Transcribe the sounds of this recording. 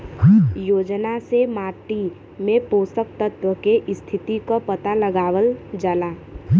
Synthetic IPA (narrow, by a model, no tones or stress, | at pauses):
joːd͡ʒnasemaːʈi | mẽpoːsək̚t̪ət̪ʋəkeʔɪst̪ʰɪt̪ikopət̪aləɡaːʋəld͡ʒaːlaː